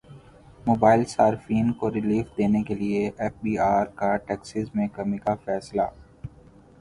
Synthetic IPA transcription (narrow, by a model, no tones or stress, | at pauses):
moːbaːɪlsaːɾfiːnkoɾɪliːfd̪eːnekelieʔɛːfbiːaːɾkaʈɛːksɪzmẽkɐmikafɛːsla̰ː